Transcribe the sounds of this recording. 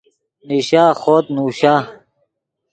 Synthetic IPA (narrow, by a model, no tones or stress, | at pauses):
niɕaːxoːt̪̚nuːɕaː